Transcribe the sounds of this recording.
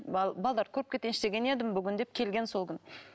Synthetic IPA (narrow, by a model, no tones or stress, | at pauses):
bɑlˠd̪ɑɾkʲʰɵɾɪp̚kʲet̪ʲːenɪʃt̪e̞ɡʲe̞ne̞d̪ɪmbʏɡʲɪnd̪e̞p̚kʲʰe̞lɡʲe̞nso̞lˠkʲʏn